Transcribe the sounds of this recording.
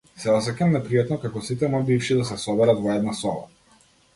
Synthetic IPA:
sɛɔsɛkamnɛpɾijat̪nɔkakɔsit̪ɛmabifʃid̪asɛsɔbɛɾat̪vɔɛd̪nasɔba̰

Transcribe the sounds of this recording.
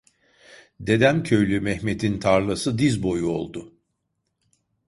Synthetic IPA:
d̪e̞d̪æmcʰø̞jlʲymɛhme̞t̪ʰint̪ʰaɾlˠasɯd̪izbo̞juo̞̰lˠd̪ʊ

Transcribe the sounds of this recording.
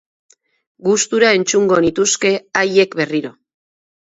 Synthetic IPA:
ɡust̪uɾae̞nt͡ʃuŋɡo̞nit̪uske̞aje̞kβe̞riɾo̞

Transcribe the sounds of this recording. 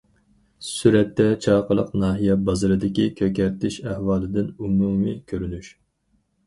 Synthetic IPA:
syɾɛt̪ːɛt͡ʃʰɑːqəlˠəqnɑːɦijɛbɑzɨɾɨd̪ɪkʲikʲʰøkʲɛɾt̪ʰɪʃæhwɑːlˠɨd̪ɪnumumikʲʰøɾynyʃ

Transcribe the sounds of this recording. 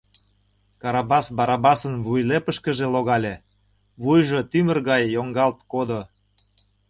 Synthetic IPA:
kɑɾɑbɑsbɑɾɑbɑsənβujlepəʃkə̆ʒeloɣɑlʲe | βujʒot̪ymə̆rɣɑjːoŋɡɑlt̪̚kod̪o

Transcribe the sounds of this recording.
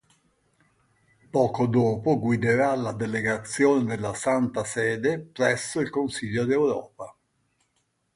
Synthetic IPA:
pɔːkod̪oːpoɡwid̪eɾalad̪eleɡat̪sːjoːned̪elːasant̪asɛːd̪epɾɛsːoilkonsiʎːod̪ewɾɔ̰ːpa

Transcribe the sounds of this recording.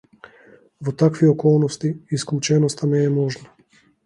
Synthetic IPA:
vɔt̪akviɔkɔlˠnɔst̪iisklˠut͡ʃɛnɔst̪amɛːmɔʒna

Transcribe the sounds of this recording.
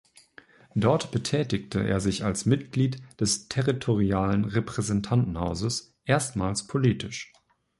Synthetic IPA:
d̥ɔɐtb̥ətʰɛːtɪktʰəʔḛːɐzɪçalsmɪtɡ̥liːtd̥ɛstʰɛʁitʰoʁiaːlənʁɛpʁ̥ɛzɛntʰantn̩haʊzəs | ʔeːɐstmaːlspʰoliːtʰɪʃ

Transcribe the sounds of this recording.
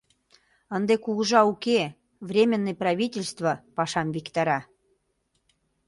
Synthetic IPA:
ə̆nd̪ekuɣəʒɑuke | vrʲemʲənːejprɑβʲitʲelʲst̪vəpɑʃɑmvikt̪ɑɾɑ

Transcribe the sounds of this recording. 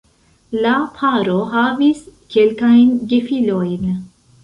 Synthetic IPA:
lapʰaɾoɦaviskelkajnɡefilojn

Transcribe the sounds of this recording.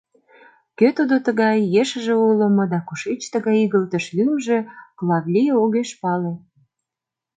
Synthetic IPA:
køt̪ud̪ot̪əɣɑjːeʃəʒĕulə̆mŏd̪ɑkuʃet͡ɕt̪əɣɑjiɣəlt̪ə̆ʃlymʒeklɑβlʲijoɣeʃpɑle

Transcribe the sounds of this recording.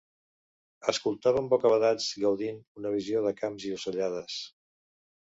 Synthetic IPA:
əskulˠt̪aβ̞əmbɔkəβəðad͡zɡəwðinunəβ̞izioðəkamziusəʎaðəs

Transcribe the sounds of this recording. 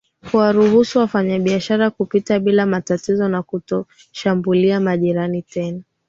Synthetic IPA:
huwaɾuhusuwafaɲaɓiaʃaɾakupitaɓilamatatizɔnakutɔ | ʃambuliamaʄiɾanitɛna

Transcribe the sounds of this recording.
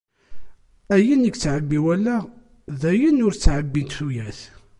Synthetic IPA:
æjənikːt͡sːʕəbːiwælːæ | ðæjənʊɾt͡sːʕəbːint̪θujæθ

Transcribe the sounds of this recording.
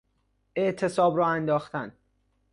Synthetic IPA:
e̞ʔt̪ʰe̞sɒːbɾɒːænd̪ɒːxt̪æn

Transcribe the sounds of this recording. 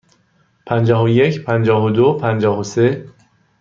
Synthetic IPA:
pʰænd͡ʒɒːɦoje̞cʰpʰænd͡ʒɒːɦod̪opʰænd͡ʒɒːhose̞

